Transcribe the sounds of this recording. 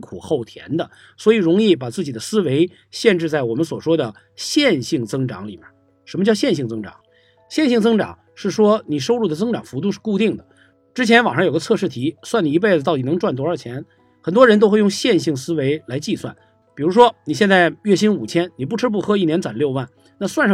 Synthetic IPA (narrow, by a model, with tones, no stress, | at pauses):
kʰṵ˨˩xo˥˩ʊt̪ʰjɛ̰˧˥nd̪ə˨ | swɔ˧˥i˨˩ɻʊ˧˥ŋi˥˩p̬a˨˩t͡sɹ̩˥˩t͡ɕi˨˩d̪ə˦sɹ̩˥we˧˥ɪ | ɕjɛ˥˧nʈ͡ʂɻ̩˥˧t͡sa˥˩ɪwɔ˨˩mə˦nswɔ˨˩ʂwɔ˥d̪ə˨ | ɕjɛ˥˧nɕi˥˩ŋt͡sɤ˥ŋʈ͡ʂɑ̰˧˥ŋlḭ˨˩mɛ̰˧˥˦n | ʂə˧˥mə˧t͡ɕjʊɕjɛ˥˧nɕi˥˩ŋt͡sɤ˥ŋʈ͡ʂɑ̰˨˩˦ŋ | ɕjɛ˥˧nɕi˥˩ŋt͡sɤ˥ŋʈ͡ʂɑ̰˨˩˦ŋ | ʂɻ̩˥˩ʂwɔ˥ni˨˩ʂo˥ʊɻu˥˩d̪ə˩t͡sɤ˥ŋʈ͡ʂɑ˨˩ŋfu˧˥t̪̬u˧ʂɻ̩˥˧ku˥˧t̪i˥˩ŋd̪ə˩ | ʈ͡ʂɻ̩˥t͡ɕʰjɛ˧˥nwa˨˩ŋʂɑ˥˧jɡə˧t͡sʰɤ˥˧ʂɻ̩˥˩t̪ʰi˧˥swa˥˩ni˨˩i˧˥p̬e˥˩ɪd͡z̩˩t̪ɑ˥˩ʊt̪i˩ɤ˧˥ŋʈ͡ʂwa˥˩nt̪wɔ˧˥ə˞˧˥t͡ɕʰjɛ˧˥n | xə˨˩nt̪wɔ˥ɻə˧˥nt̪o˥ʊxwe˥˧ɪjʊ˥˧ŋɕjɛ˥˧nɕi˥˩ŋsɹ̩˥we˧˥ɪla˧˥ɪt͡ɕi˥˧swa̰˥˩n | pi˨˩ɻu˧˥ʂ̬wɔ˥ni˨˩jɛ˥˧nt͡sa˥˧ɪɥɛ˥˩ɕi˥nu˨˩t͡ɕʰjɛ˥nni˨˩p̬u˥˩ʈ͡ʂ̩ʰ˥p̬u˥˩xɤ˥i˥˩njɛ˧˥nt͡swa˨˩nljo˥˧ʊwa˥˩n | na˥˧swa˥˧nʂɑ˥˧